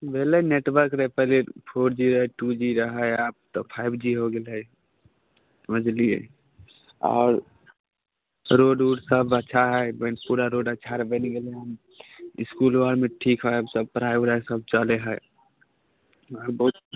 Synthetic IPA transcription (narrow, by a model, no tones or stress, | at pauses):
bʱeːleneʈwəɾkɾəɛpəɦlepʰoːɾd͡ʒiɾəɦɛʈud͡ʒiɾəɦəaːp̚t̪opʰaɪbʱd͡ʒiɦoɡel | səməd͡ʒliḛ | ɔ̰ːɾ | ɾoɖuɖsəbətːʃʰaɦɛbɛ̃npuɾaɾoɖətːʃʰaɾəbeniɡeleɦəm | ɪ̰skulwaɾmẽʈʰiːkɦəɦesəb̚pɾaibɾəsəb̚t͡ʃaleɦɛ | ɔːɾbəɦut̪